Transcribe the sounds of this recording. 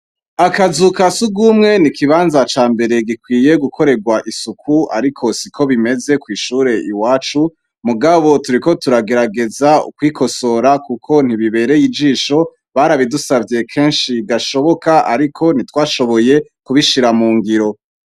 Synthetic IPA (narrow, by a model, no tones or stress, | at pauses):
akazukasuɡumŋe̞nikiβaːnzat͡ʃaːmbe̞ɾe̞ɡikwiːje̞ɡukʰo̞ɾe̞ɡwaʔisukʰua̰ɾikʰo̞sikʰo̞βime̞ze̞kwiːʃuːɾe̞ʔiwaːt͡ʃu | muɡaβo̞tuɾiko̞tuɾaɡe̞ɾaɡe̞zaṵkwiːko̞so̞ɾakukʰo̞n̥iβiβe̞ːɾe̞jid͡ʒiːʃo̞ | βaːɾaβidusavje̞kʰe̞ːnʃiɡaʃo̞βo̞kaʔaɾikʰo̞n̥itwaːʃo̞βo̞je̞kuβiʃiɾamuːŋɡiɾo̞